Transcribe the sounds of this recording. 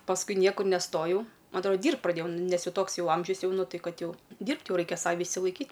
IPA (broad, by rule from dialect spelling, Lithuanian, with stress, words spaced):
pɐsˈkʊɪ ˈnʲiɛkʊr nʲɛˈstoːjɛʊ ˈmɐ ɐtˈroːdɐ ˈdʲiːrpt prɐˈdʲeːjɛʊ ˈnʲɛs ˈjɛʊ ˈtoːks ˈjɛʊ ˈɐmʲʒʲʊs ˈjɛʊ nʊ ˈtɐɪ ˈkɐt ˈjɛʊ ˈdʲiːrpt ˈjɛʊ ˈrɐɪkʲɛ ˈsɑːʋʲɪ ɪʃʲsʲɪlˠɐɪˈkʲiːtʲ